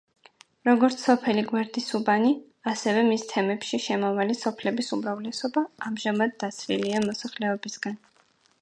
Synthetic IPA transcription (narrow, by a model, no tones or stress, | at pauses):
ɾɔɡɔɾt̪sʰɔpʰɛliɡwɛɾd̪isubani | asɛvɛmist̪ʰɛmɛpʃiʃɛmɔvalisɔpʰlɛbisumɾavlɛsɔbaːmʒamad̪ːat̪sʰɾiliamɔsaχlɛɔbisɡ̥an